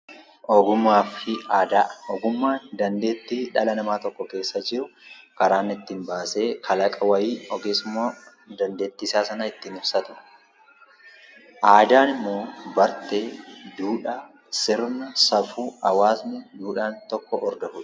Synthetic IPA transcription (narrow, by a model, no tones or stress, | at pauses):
ʔɔɡʊmːaːfɪaːd̪aːʔʔɔɡʊmːaːnd̪ɐnd̪e̞ːt̪ːiːᶑɐlɐnɐmaːt̪ɔkːɔke̞ːsːɐd͡ʒɪɾʊkɐɾaːnːɪɪt̪ːiːnbaːse̞ːkʰɐlɐkʼɐwɐjiːnɔɡeːsʊmːoː | d̪ɐnd̪e̞ːt̪ːɪsaːsɐnɐɪt̪ːiːnɪfsɐt̪ʊɐ̥ | ʔaːd̪aːnɪmːo̞ːbɐɾt̪eːd̪uːᶑa | sɪɾnɐsɐfuːɐwaːsnɪd̪uːᶑaːnt̪ɔkːɔʔɔɾd̪ɐfʊᶑɐ̥